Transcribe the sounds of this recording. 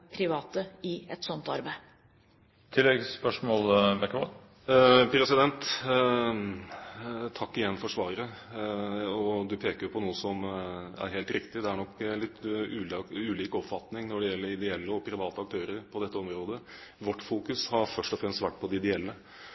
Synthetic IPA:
pʰɾɪʋɑːt̪əɪɛt̪sɔnt̪ɑɾbæɪ | t̪ʰɪlːɛɡspœʂmoːlbɛkːəʋɑ | pʰɾɛsɪd̪ɛnt̪ | t̪ʰɑkːɪjɛnːfɔʂʋɑːɾəɾə | ɔd̪ʉpʰeːkəɾjʊpʰɔnuːəsɔmæ̰ɾɦeːlt̪ɾɪkt̪ɪd̪ɛæɳɔkːlɪt̪ːʉːʉːliːkɔpfɑt̪nɪŋnɔɖɛjɛlːəɾɪd̪ɛɛlːəɔpʰɾɪʋɑːt̪əɑk̚t̪ʰøːɾəɾpʰɔd̪ɛt̪ːəɔmɾoːd̪ə | ʋɔʈːfuːkʉshɑɾfœʂʈɔfɾɛmst̪ʋæʈːpʰɔd̪ɪɪd̪ɛɛlːə

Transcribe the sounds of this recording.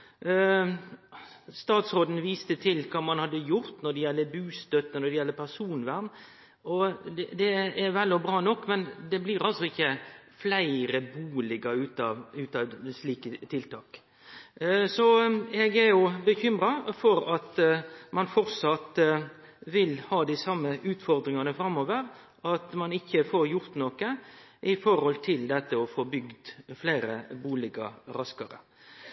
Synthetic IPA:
st̪ɑːt̪sʁoːd̪n̩ʋiːst̪ət̪ʰɪlkʰɑːmɑnhɑd̪ːəjʊɾt̪nɔd̪ɛjɛlːəbʉːst̪œt̪ːənɔd̪ɛjɛlːəpʰæʁsuːnʋæɾm | ɔd̪ɛd̪ɛɛʋɛlːɔbɾɑːnɔkːmɛnd̪ɛbliɾɑlsɔɪçːəflæɪɾəbuːlɪɡəʉːt̪ɑʉːt̪ɑʋsliːkət̪ʰɪlt̪ʰɑːk | sɔɛɡɛɾjʊbəçʏmɾɑfɔɾɑt̪mɑnfɔɾsɑt̪ | ʋɪlhɑːd̪ɪsɑmːəʔʉːt̪fɔɾd̪ɾɪŋɑnəfɾɑmːoːʋəɾ | ɑt̪mɑnɪçːəfoɾjʊɾt̪noːkəʔɪfɔɾhɔlt̪ʰɪld̪ɛt̪ːəɔfoːbʏɡd̪flæɪɾəbuːlɪɡɑɾɑskɑɾə̰

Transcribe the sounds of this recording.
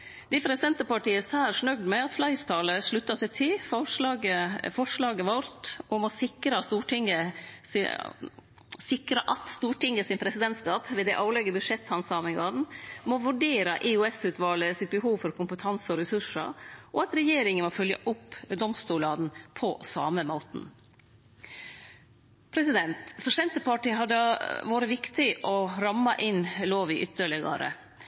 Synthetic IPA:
d̪ɪfɾɛsɪd̪ɛnt̪əpɑʈiːəsɑːɾʂɳœɡd̪mɛɑt̪flɑɪst̪ʰɑːləʂɭʉt̪ːɑsɛɪt̪ʰɪlfɔʂlɑɡəfɔʂɭɑːɡəʋɔɾt̪ɔmɔsɪkɾɑst̪uːʈɪŋəs | sɪkɾəʔɑt̪st̪uːʈɪŋəsɪnpʰɾɛsɪd̪ɛnt̪skɑːpʋeːd̪æɪʔɑːlɛɡːəbʉdʂɛt̪hɑnsɑːmɪŋɡɑn̩mɔʋʉɖeːɾɑʔɛʉɛsʉːt̪ʋɑːləsɪt̪̚bəɦuːʋfɔɾkʰʊmpət̪ʰɑnsəɔɾɛsʉʂə̰ɾʔɔɑt̪ɾɛjeːɾɪŋənmɔfœljɑ̰ʔʊpːd̪ɔmst̪uːɭɑd̪n̩pʰɔsɑːməmoːt̪n̩ | pʰɾɛsɪd̪ɛnt̪fɔʂɛnt̪əpʰɑʈiːɦɑd̪əʋuːɾəʋɪkt̪ɪʔɔɾɑmːɑʔɪnloːʋɪʔʏt̪ːəɭɛɡɑ̰ɾə̰

